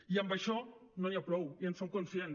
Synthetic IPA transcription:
iambaʃɔnõjapɾowiensomkonsjen

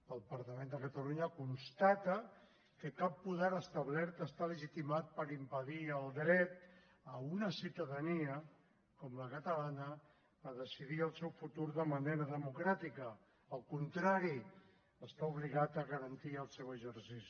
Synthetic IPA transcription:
əlˠəpəɾt̪əmend̪əkət̪əluɲəkunst̪at̪ə | kəkapːuðɛɾəst̪əβlɛɾt̪əst̪aləʒit̪imat̪̚pəɾimpəðiəlˠd̪ɾɛt̪̚ | əunəsit̪əðəniə | kɔmləkət̪əlanə | əðəsiðiəlˠsɛwfut̪uɾðəməneɾəðəmukɾat̪ikə | əlˠkunt̪ɾaɾi | əst̪auβliɣat̪əɣəɾənt̪iəlˠsɛwəʒəɾsisi̥

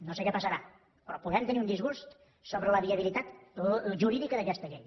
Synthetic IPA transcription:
nosekɛpəsəɾa | pɾɔpuðɛmt̪əniund̪izɣust̪ | soβɾələβiəβilit̪at̪ʒuɾiðikəðəkɛst̪əʎej

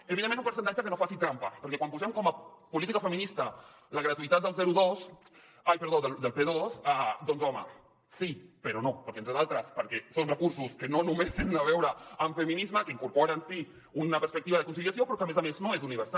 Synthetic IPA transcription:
eβiðemenzumpəɾs̬ənt̪ad͡ʒəkənofasit̪ɾampapəɾkɛkwampuzɛmkɔmapulit̪ikafəminist̪a | ləɣɾat̪uit̪at̪d̪əlˠzɛɾuðos | ajpəɾðoðəld̪əlpeðosad̪onzɔma̰ | sipəɾonopəɾkent̪ɾəðalˠt̪ɾəspəɾkɛsonrəkuɾsuskənonumest̪enənaβ̞ɛwɾəːɱfəminizməkəiŋkuɾpoɾansi | unapəɾspəkt̪iβaðəkunsiljasjopɾɔkəmezameznoezuniβəɾsa

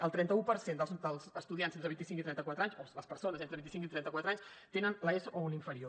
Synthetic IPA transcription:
əlˠt̪ɾɛnt̪əupəɾsend̪əlˠzd̪əlˠzəst̪uðiansenɾəβint̪isiŋkit̪ɾɛnt̪əkwat̪ɾaɲsoləspəɾsonəzent̪əβint̪isiŋkit̪ɾɛnt̪əkwat̪ɾaɲs | t̪enənləesəʔouniɱfəɾio

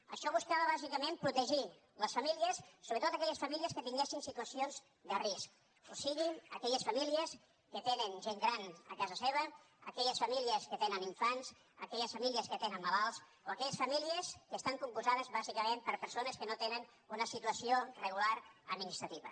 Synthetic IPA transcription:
ə̰ʃɔβuskaβəβazikəmẽmpɾut̪əʒi | ləsfamiliəsːoβɾət̪ot̪akɛʎəsfamiliəskət̪iŋɡesinsit̪uəsionz | d̪ərisk | osiɣiəkɛʎəsfəmiliəs | kət̪enənʒeŋɡɾanə̰kazəseβ̞ə | ə̰kɛʎəsfamiliəskət̪enəniɱfanz | ə̰kɛʎəsfamiliəskət̪enənːalalˠs | oəkɛʎəsfəmiliəskəst̪aŋkumpuzaðəzβazikəmempəɾpəɾsonəskənot̪enən | unəsit̪uəsiorəɣulaɾəd̪̚minist̪ɾət̪iβə̰

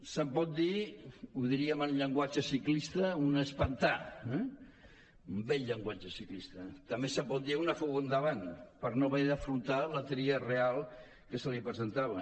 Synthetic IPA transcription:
səmpɔt̪̚d̪iuðiɾiəmənʎəŋɡwat͡ʃəsiklist̪əunəspant̪aɛ | umbɛʎːəŋɡwat͡ʃəsiklist̪ət̪ɐmbesəmpɔt̪̚d̪iunəfuɣond̪əβanpəɾnoβeðəfɾunt̪alət̪ɾiərealˠ | kəsəlipɾəzənt̪aβə

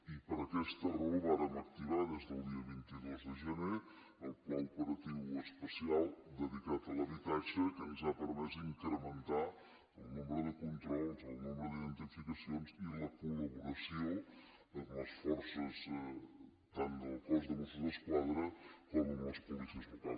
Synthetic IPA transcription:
ipəɾəkɛst̪əruβaɾəmək̚t̪iβaðezðəlˠd̪iəβint̪iðozðəʒəne | əlˠplɔupəɾət̪iwəspəsialˠd̪əðikat̪ələβit̪at͡ʃəkənzapəɾmɛzd̪iŋkɾəmənt̪a | əlˠnumɾəðəkunt̪ɾɔlˠzolˠnumɾəðiðənt̪ənfikəsionziləkuləβuɾəsio | ələsfɔɾsəz | t̪and̪əpɔzðəβusəðəskwaðɾəkɔmuləspuβisəzβut̪a

